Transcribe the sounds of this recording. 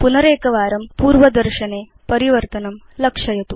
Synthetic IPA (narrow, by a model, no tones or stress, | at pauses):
punɐɾeːkɐʋaːɾɐmpuːɾʋɐd̪ɐɾʃɐneː | pɐɾiʋɐɾt̪ɐnɐmlɐkʂɐjɐt̪u